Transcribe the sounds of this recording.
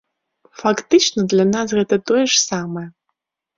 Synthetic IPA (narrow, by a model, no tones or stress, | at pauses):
fakt̪ɨt͡ʃnɐd̪lʲanas̬ɣɛt̪ɐt̪ojɛʂsamɐjɐ